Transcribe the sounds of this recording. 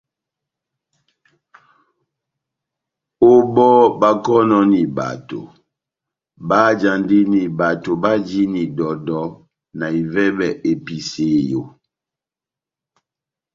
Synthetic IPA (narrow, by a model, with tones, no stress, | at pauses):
o˦bɔ˦ba˦kɔ˦nɔ˦ni˨ba̰˨to̰˨ | ba˦d͡ʒa˨ndi˦ni˨ba˨to˨ba˦d͡ʒi˦ni˨dɔ˨dɔ˨˦ | na˨i˨vɛ˦bɛ˨ʔe˨pi˨se˨˦jo˨